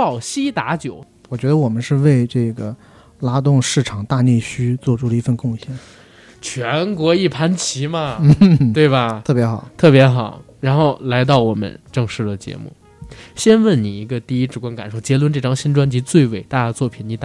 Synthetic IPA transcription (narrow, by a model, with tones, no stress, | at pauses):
ɑ˥˩ʊɕi˥t̪a˧˥t͡ɕjo˨˩˦ʊ | wɔ˨˩t͡ɕɥɛ˧˥d̪ə˧wɔ˨˩mə˦nʂɻ̩˥˧we˥˧ɪʈ͡ʂɤ˥˩ɡə˩ | la˥t̪ʊ˥˧ŋʂɻ̩˥˩ʈ͡ʂʰɑ˨˩˦ŋt̪a˥˧ne˥˩ɪɕy˥t͡swɔ˥˧ʈ͡ʂʰu˥˩lə˩i˧˥fə˥˧nkʊ˥˧ŋɕjɛ˥˩n | t͡ɕʰɥɛ˧˥nkwɔ˧˥i˥˩pʰa˧˥nt͡ɕʰi˧˥mɐ˧we˥˩ɪbɐ˩ɤ˥˩pjɛ˧˥xɑ˨˩˦t̪ʰɤ˥˩pjɛ˧˥xɑ˨˩˦ʊ | ɻa˧˥nxo˥˩ʊla˧˥ɪt̪̬ɑ˥˩ʊwɔ˨˩mə̰˦nʈ͡ʂɤ˥˧ŋʂɻ̩˥˩d̪ə˩t͡ɕjɛ̰˧˥mṵ˥˩ | ɕjɛ˥nwə˥˩nni˨˩i˧˥ɡə˧t̪i˥˩i˥ʈ͡ʂɻ̩˧˥˩kwa˥nka˨˩nʂo˥˩ʊt͡ɕjɛ˧˥lwə˧˥nʈ͡ʂɤ˥˩ʈ͡ʂɑ˥ŋɕi˥nʈ͡ʂwa˥nt͡ɕi˧˥t͡swe˥˩ɪwe˥˩ɪt̪a˥˩˧t͡swɔ˥˩pʰi˨˩nni˧˥t̪